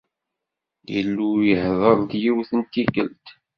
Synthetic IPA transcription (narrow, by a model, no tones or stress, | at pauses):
jə̰lːujəhðˤəðˤd̪jiwθənt̪ikəlt̪